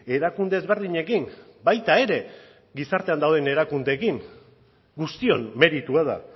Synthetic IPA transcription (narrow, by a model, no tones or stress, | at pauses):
e̞ɾakund̪e̞ːzβe̞ɾð̞iɲe̞kimbajt̪ae̞ɾe̞ | ɡisaɾt̪e̞and̪awð̞e̞ne̞ɾakund̪e̞ːkiŋ | ɡust̪io̞̰nme̞ɾit̪uaða̰